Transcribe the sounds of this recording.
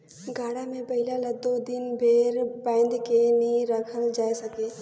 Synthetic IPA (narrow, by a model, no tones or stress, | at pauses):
ɡaːɽamẽpɐɦɪlalɐd̪od̪ɪnbʱeːɾbãːnd̪kenĩɾɐkʰəld͡ʒaːesɐkeː